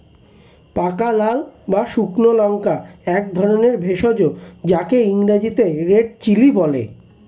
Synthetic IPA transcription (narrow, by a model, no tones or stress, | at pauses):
pakalalbaʃuknolɔŋkaɛk̚d̪ʱɔɾoneɾbʱeʃod͡ʑod͡ʑakeiŋɾad͡ʑit̪eɾeɖ̚t͡ɕilibɔlḛ